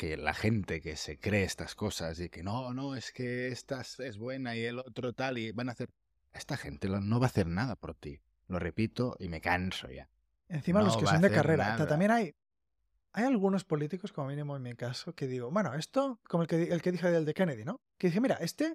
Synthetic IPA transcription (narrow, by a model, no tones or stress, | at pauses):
kela̰xent̪e̞kesekɾeest̪askosazikenonoeskeest̪asezβwe̞naielot̪ɾot̪aliβanaθeɾ | est̪axent̪elonoβaːθeɾnaðapoɾt̪i | lo̞repit̪oʔime̞kanso̰ja̰ | ẽn̟θimaeloskeso̞nd̪ekareɾaat̪ammje̞naj | ajalɣ̞uno̞spo̞lit̪iko̞skomomĩnimoenmikasoke̞ðiɣoβwe̞noe̞st̪okomolkeðelke̞ðixeðeld̪eke̞neðino | keðixemiɾaʔe̞st̪e